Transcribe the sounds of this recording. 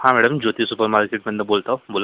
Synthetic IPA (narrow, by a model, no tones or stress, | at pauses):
hãːmɛːɖəmd͡ʒoːt̪isupəɾmaːɾkeːʈ̚mẽɐnd̪ɐɾboːlt̪aboːla